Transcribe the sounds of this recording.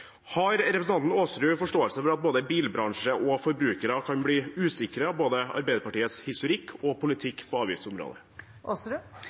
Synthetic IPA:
hɑɾɾɛpɾsn̩ɑnt̪n̩oːsɾʉːfɔʂʈoːəlsəfɔɾɑt̪̚boːd̪əbiːlbɾɑŋʂəʔɔfɔɾbɾʉːkəɾəkʰɑnbliːʉːsɪkəɾəɑboːd̪əɑ̰ɾbæɪd̪əpɑʈiːət̪shɪst̪ʊɾɪkʰːɔpʰʊlɪt̪ʰɪkːpʰɔɑːʋjɪ̰ft̪sʊmɾo̰ːd̪ə̰ | osɾʉ

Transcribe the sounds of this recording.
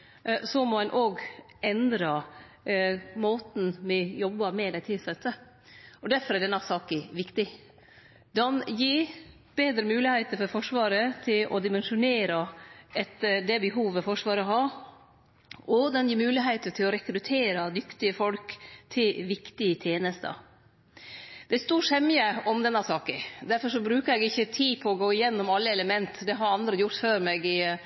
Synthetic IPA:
sɔmɔɛnʔoːɡ | ɛnd̪ɾɑ | moːt̪n̩mɛjɔbːɑmɛd̪ɛt̪ʰɪlsɛt̪ːə | ɔd̪æɾfɔɾæɖɛnːɑsɑːkəʋɪkt̪ɪ | d̪ɛnjiː | b̥eːd̪ɾəmʉːlɪheɪt̪əɾfɔɾfɔʂʋɑːɾət̪ʰɪlʔɔ̰d̪ɪmɛnʂʊneːɾɑɛt̪ːəd̪ɛbəɦuːʋəfɔʂʋɑːɾɔɦɑ | ʔɔd̪ɛnjiːɾmʉːlɪɦeɪt̪ət̪ʰɪlɔɾɛkɾʉt̪ʰeːɾɑd̪ʏkt̪ɪəfɔlkt̪ʰɪlʋɪkt̪ɪət̪ʰjeːnəst̪ə̰ | d̪̥ɛæst̪uːʂɛmjəɔmd̪ɛnːɑsɑːkəd̪æɾfɔɾʂɔbɾʉːkəɾɛɡɪçːət̪ʰiːpʰɔɔɡoːɪjɛnːɔmɑlːəɛləmɛnt̪d̪ɛɦɑɾɑnd̪ɾəjʊɾt̪føːɾmɛɡɪ

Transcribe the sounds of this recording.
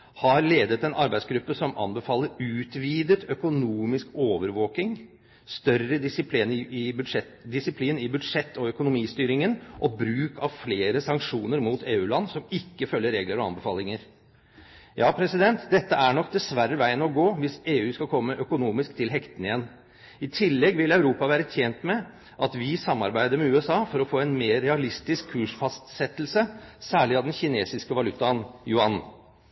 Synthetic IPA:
hɑɾleːd̪ət̪ɛnɑɾbæɪsɡɾʉpːəsɔmɑ̰nbəfɑːləɾʉːt̪ʋiːd̪ət̪ʰœkʊnuːmɪskoːʋəɾʋoːkɪŋ | st̪œrəɪspːnɪbʂɛ | d̪ɪsɪpʰliːnɪbʉd̪ʂɛt̪ːɔœkʊnʊmiːst̪yːɾɪŋənʔɔbɾʉːkʰɑʋfleːɾəsɑŋkʂuːnəɾmuːt̪ʰeːʉːlɑnːsɔmɪkːəfœlːəɾeːɡləɾɔɑ̰nbəfɑːlɪŋəɾ | jɑːpʰɾɛsɪd̪ɛnt̪d̪ɛt̪ːəæɳɔk̚d̪ɛsʋæɾːəʋæɪənɔɡoːʋɪseːʉːskɑkʰɔmːəʔœkʊnuːmɪskt̪ʰɪlɦɛkt̪ənɪjɛnː | ɪt̪ʰɪlːɛɡʋɪlɑʉɾuːpɑʋæːɾət̪ʰjeːnt̪mɛ | ʔɑt̪ʋɪsɑmːɑɾbæɪd̪əɾmɛʉːɛsɑːfɔɾɔfoːɛnmeːɾɛɑlɪst̪ɪskʰːʉːʂfɑst̪sɛt̪ːlsəsæːɭɪɑd̪ɛnçɪneːsɪskəʋɑlʉt̪ːɑnjʊɑn

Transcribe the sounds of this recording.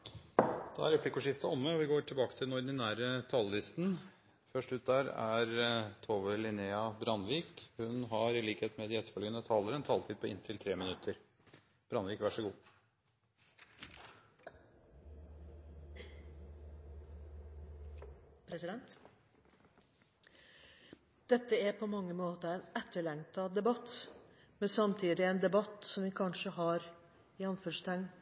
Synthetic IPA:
d̪̥ɑ̰æ̰ɾɛpʰlɪkːʊʂɪft̪əɔmːəɔʋɪɡoːʈʰɪlbɑːkə̥t̪ʰɪlnɔɖ̪ɪnæːɾət̪ʰɑllɪst̪n̩ | fœʂʈʉːt̪̚d̪æːɾæ̰ɾt̪ʰoːʋəlɪneːɑbɾɑnʋiːkhʉnɦɑɾɪliːkheːt̪mɛd̪ɪɛt̪ːəfœlɡənət̪ʰɑːləɾɛnt̪ʰɑːlt̪ʰiːd̪̚pʰɔɪ̰nt̪ʰɪlt̪ʰɾeːmɪnʉt̪ʰəɾ | b̥ɾɑnʋiːkʋæʂəɡuː | pʰɾɛsɪd̪ɛnt̪ | d̪̥ɛt̪ːəæɾpʰɔmɑŋːəmoːt̪əɾɛnɛt̪ːəɭɛŋt̪ɑd̪ɛbɑt̪ː | mɛnsɑmt̪ʰiːd̪ɪɛnd̪ɛbɑt̪ːsɔmʋɪkʰɑnʂəhɑɾ | ɪɑnfœʂt̪æŋ

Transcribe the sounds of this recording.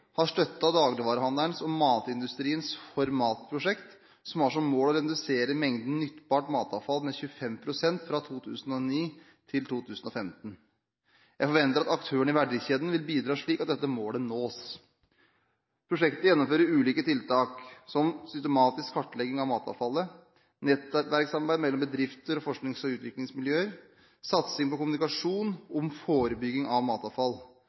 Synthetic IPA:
hɑʂʈ̪œt̪ːɑd̪ɑːɡlɪʋɑːɾəhɑnd̪əɳsɔmɑːt̪ɪnd̪ʉst̪ɾiːənsfɔɾmɑːt̪pʰɾʊʂɛkt̪ | sɔmæʂɔmːoːlɔɾɛd̪ʉseːɾəmɛŋd̪n̩nʏt̪ːbɑːʈmɑːt̪ɑʋfɑlmɛçʉəfɛmpʰɾʊsɛnt̪fɾɑt̪ʰuːt̪ʰʉ̰ːsn̩ɔniː | t̪ʰɪlt̪ʰuːt̪ʰʉːsn̩ɔfɛmt̪n̩ | jæɪfɔɾʋɛnt̪əɾɑt̪ɑkt̪ʰøːəɳɪʋæɖɪçeːd̪nʋɪlbiːd̪ɾɑːʂɭiːkɑt̪̚d̪ɛt̪ːəmoːlənoːs | pʰɾʊʂɛkt̪əjɛnːɔmføːɾəɾʉːliːkət̪ʰɪlt̪ʰɑːksɔmsʏst̪əmɑːt̪ɪskʰːɑʈːlɛɡːɪŋɑʋmɑːt̪ɑ̰ːʋfɑlːə | nɛt̪ʋæɾksɑmɑɾbæɪmɛlːɔmbəd̪ɾɪft̪əɾɔfɔʂknɪŋsɔʉːt̪ʋɪklɪŋsmɪljøːəɾ | sɑt̪sɪŋpɔkʊmnɪkɑʂuːnɔmfoːɾəbʏɡːɪŋɑʋmɑːt̪ɑʋfɑlː

